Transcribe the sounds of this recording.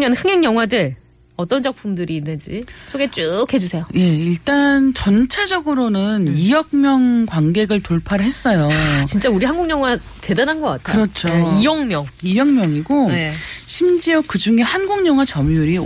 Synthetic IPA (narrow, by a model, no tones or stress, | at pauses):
ɲʌnɸɯŋeŋɲjʌŋɦwadɯɾ | ʌt͈ʌnd͡ʑʌk̚pʰumdɯɾiːnːɯnd͡ʑḭsʰoɡe̞t͡ɕ͈ukhe̞d͡ʑusʰe̞joje̞iɭt͈ant͡ɕʌnt͡ɕʰad͡ʑʌɡɯɾonɯnijʌk̚mjʌŋkwanɡe̞ɡɯɭtoɭpʰaɾɯɦe̞s͈ʌjot͡ɕint͡ɕ͈auɾiɦanɡuŋɲjʌŋwa | te̞dananɡʌk͈a̰t̚ʰkaɯɾʌt͡ɕʰoijʌŋmjʌŋijʌŋmjʌŋiɡoeɕʰimd͡ʑiʌkɯd͡ʑuŋe̞hanɡuŋɲʌŋɦwat͡ɕʌmuɾi